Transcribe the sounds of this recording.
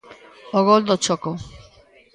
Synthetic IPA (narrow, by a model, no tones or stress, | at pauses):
oɣold̪ot͡ʃoko